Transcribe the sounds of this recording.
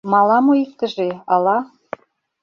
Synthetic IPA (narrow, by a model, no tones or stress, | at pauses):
mɑlɑmojik̚t̪ə̆ʒeɑlɑ